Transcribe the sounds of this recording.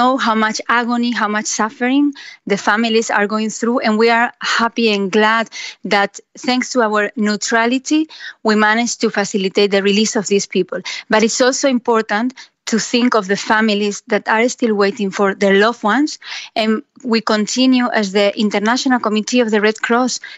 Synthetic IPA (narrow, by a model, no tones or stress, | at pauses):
owhawmat͡ʃaɡoniɦawmat͡ʃsafəɾĩŋðəfamilisa̰ɹɡoĩŋθɾuʔɛ̃nwiaɹhapiãnɡlad̪̚ðat̪θɛ̃ŋkst̪uawəɹnutɾalit̪iwimaned͡ʒt̪ufasilit̪et̪̚ðəɹilisɔvðispipəlbaɾitsɔlsoĩmpɔɹt̪ãntʰːuθĩŋkɔvðəfamilizðat̪aɾst̪ilwejt̪ĩŋfoɹðeɹlɔvwãnsɛ̃nwikõnt̪ʰĩnjuʔazðəʔĩnt̪əɾnaʃõnalkomit̪iɔvðəɹɛd̪kʰɾɔs